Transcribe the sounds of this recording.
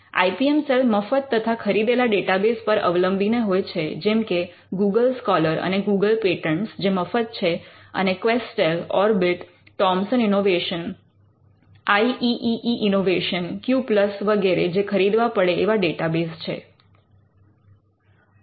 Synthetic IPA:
a̰ipiemselfməfət̪ːət̪ʰakʰəɾid̪elaɖeʈabespəɾə̰ʋləmbʱineɦojt͡ʃʰed͡ʒɛmke | ɡuɡəlskɔləɾə̰neɡuɡəlpeʈəɳsd͡ʒeməfət̪̚t͡ʃʰeə̰nekʋesʈelɔ̰ɾbiʈː | ɔmsəninoʋeʃən | aiʔiʔiʔiʔinoʋeʃənkjupləsʋəɡeɾed͡ʒekʰəɾid̪ʋapəɽeeʋaɖeʈabest͡ʃʰḛ

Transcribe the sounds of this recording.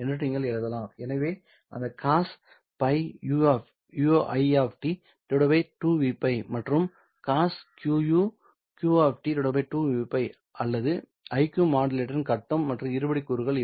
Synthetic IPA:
ɛnːɐʈːiŋɡɐɭɛɻɐðɐlãːɛnɐʋeː | ʔɐ̰nd̪ɐkaːs | pɐɪuf | juoʔɐɪaːfʈi | t̪ʊɽɐʋɐɪʈuːʋiːpːɐɪmɐʈrɯm | kaːskjuːju | kjuːaːfʈit̪ɔɽɐbɐɪʈuːʋiːpːɐɪ | ʔɐlːɐðɯ | ʔɐɪkjumaːɖɪleːʈɐɾɪnkɐʈːɐmːɐʈrɯ̃ɪɾɯbɐɽɪkːʊɾɯɣɐɭ

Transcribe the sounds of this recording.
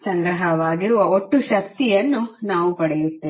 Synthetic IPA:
sɐŋɡɾɐɦɐʋaːɡiɾuʋɐoʈːuʃɐk̚t̪ijɐnːunaːʋupɐɽɛjut̪ːeː

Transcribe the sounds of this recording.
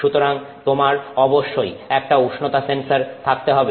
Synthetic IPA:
ut̪oɾaŋ | t̪omaɾɔboʃːojɛk̚ʈauʃnot̪asensaɾt̪ʰak̚t̪eɦɔbe

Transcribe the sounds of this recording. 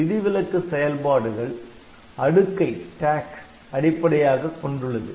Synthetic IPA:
ʋɪðɪʋɪlɐt̪ːɯsɛjɐlpaːɽɯɣɐɭ | ɐɽɯkːɐɪʈaːks | ɐɽɪpːɐɽɐjaːɣɐkːɔɳɖɯɭːɐðɯ̰

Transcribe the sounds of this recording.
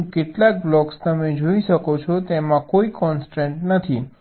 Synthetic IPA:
keʈlak̚blɔkst̪əmed͡ʒoiʃəkot͡ʃʰɔt̪emãkoikɔnsʈeɳʈnət̪ʰi

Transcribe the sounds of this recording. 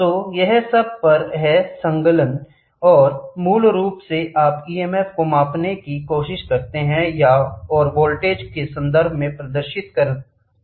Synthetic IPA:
t̪oːjɛɦsɐb̚pɐɾɦɛsɐ̃ŋɡələn | ɔːɾmuːlɾuːpseʔaːpiːeːmɛːfkomaːpnekikoːʃɪʃkɐɾt̪eɦɛ̃jaɔːɾboːlʈeːd͡ʒkesɐ̃nd̪əɾbʱmẽpɾɐd̪əɾʃɪt̪kɐɾə̃t̪

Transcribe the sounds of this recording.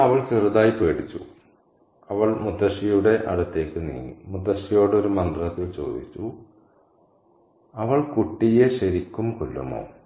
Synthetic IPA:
ɐʋɐɭt͡ɕerud̪aːjipeːɽit͡ɕːṵ | ɐʋɐɭmut̪ːɐʂijuɽe̞ʔɐ̰ɽɐt̪ːe̞ːkːɨnḭːnṵmut̪ːɐʂijo̞ːɽeo̞ɾumɐnd̪ɐlɐt̪ːilt͡ɕo̞̰ːd̪it͡ɕːu | ɐʋɐɭkuʈːijeɕɐɾikʲːumkulːɐ̰mo̰ː

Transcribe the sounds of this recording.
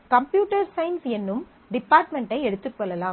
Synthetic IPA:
kɐmpjuːʈɐɾsɐɪnsɛnːɯm | ɖɪpːaːɾʈmɛɳʈɐɪɛɽɯt̪ːɯkːɔɭːɐlaː

